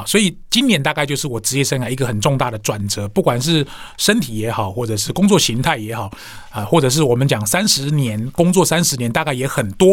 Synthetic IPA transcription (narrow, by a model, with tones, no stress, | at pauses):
swɔ˧˥i˨˩t͡ɕi˥njɛ˧˥nt̪a˥˧ka˥˧t͡ɕo˥˧ʊʂɻ̩˥˩wɔ˨˩ʈ͡ʂɻ̩˧t͡ɕjɛ˥˧ʂə˥nka˨˩i˧˥ɡə˧xə˨˩nʈ͡ʂʊ˥˧ŋt̪a˥˩d̪ə˩ʈ͡ʂwa˨˩nt͡sɤ˧˦pu˥˩kwa˨˩nʂ̬ɻ̩˥˩ʂə˥nt̪ʰi˨˩jɛ˧˥xɑ˨˩˦ʊxwɔ˥˩ʈ͡ʂɤ˨˩ʂɻ̩˥˩kʊ˥ŋt͡swɔ˥˩ɕi˧˥ŋt̪ʰa˥˩ɪjɛ˧˥xɑ˨˩ʊ | ə˧xwɔ˥˩ʈ͡ʂɤ˨˩ʂ̬̩˥˩wɔ˨˩mə˨˦nt͡ɕjɑ˨˩ŋsa˦nʂɻ̩˧˥njɛ˧˦˥nkʊ˥ŋt͡swɔ˥˨sa˥nʂɻ̩˧˥njɛ˧˦nt̪a˥˧ka˥˩ɪjɛ˧˥xə˨˩nt̪wɔ˥